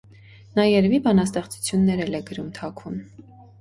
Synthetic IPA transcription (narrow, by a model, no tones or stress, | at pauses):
nɑjɛɾvibɑnɑst̪ɛχt͡su̥t͡sʰjunːɛɾɛlɛɡəɾumt̪ʰɑkʰun